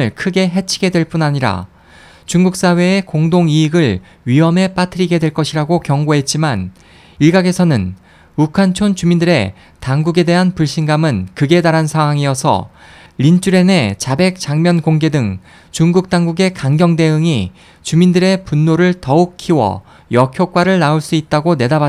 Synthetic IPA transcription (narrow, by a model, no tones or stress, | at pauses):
ɯɭkʰɯɡe̞ɦe̞t͡ɕʰiɡe̞dwe̞ɭp͈unaɲiɾa̰ | t͡ɕuŋɡuk̚s͈awe̞ːkoŋdoŋiːɡɯɭ | ɥiɦʌme̞p͈atʰɯɾiɡe̞dwe̞ɭk͈ʌɕʰiɾaɡokjʌŋɡoɦe̞t̚t͡ɕ͈iman | iɭɡaɡe̞sʰʌnɯn | ukʰant͡ɕʰont͡ɕumindɯɾe̞̰ | taŋɡuɡe̞de̞ɦanpuɭɕ͈inɡamɯnkɯɡe̞daɾansʰaŋɦwaŋijʌsʰʌ̰ | ɾint͡ɕ͈uɾe̞ne̞t͡ɕabe̞k̚t͡ɕ͈aŋmjʌnkoŋɡe̞dɯŋ | t͡ɕuŋɡuk̚t͈aŋɡuɡe̞kaŋɡjʌŋde̞ɯŋi | t͡ɕumindɯɾe̞punːoɾɯɭtʌuk̚kʰiwʌ̰ | jʌkʰjok͈̚waɾɯɭnauɭs͈uit̚t͈aɡone̞daba